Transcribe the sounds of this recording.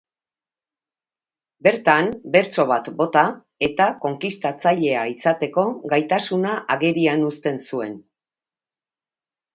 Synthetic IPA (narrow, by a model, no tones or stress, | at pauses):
be̞ɾt̪ambe̞ɾt͡so̞β̞at̪bo̞t̪a | e̞t̪ako̞ŋkist̪at͡saʎe̞aisat̪e̞ko̞ɡajt̪asunaʔaɣeɾianust̪e̞nsue̞n